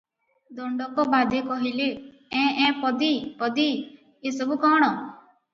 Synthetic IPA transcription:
d̪ɔɳɖɔkɔbaːd̪ʱekɔɦile | ɛ̃ɛ̃ːpɔd̪ipɔd̪i | jesəbukɔːɽ̃ɔ

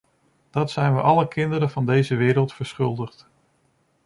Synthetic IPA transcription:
d̥ɑtsɛjnʋəʔɑləkɪndəɾəvɑndejzəʋɪːɾəlˠtfəɹsχɵlˠdəχt

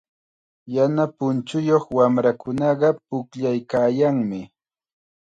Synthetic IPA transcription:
janapʊnt͡ʃʊjoχwamɾakʊnɑɢɑpʊkʎajkaːjaŋmɪ

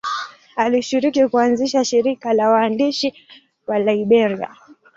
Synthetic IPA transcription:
aliʃiɾikikuanziʃaʃiɾikalawaːndiʃi | walaiɓɛɾia̰

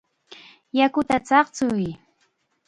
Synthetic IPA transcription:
jakʊt̪at͡sɑχt͡sʊj

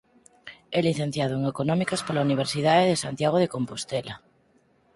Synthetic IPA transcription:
ɛliθẽn̟θjaðoeŋekonɔ̃mikaspolauniβ̞eɾsið̞aðeðesant̪jaɣ̞oðekompost̪ɛla

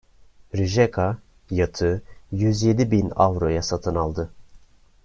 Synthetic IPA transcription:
ɾiʒɛkʰa | jat̪ʰɯjyzje̞d̪ibina̰vɾo̞jasat̪ʰɯnalˠd̪ɯ

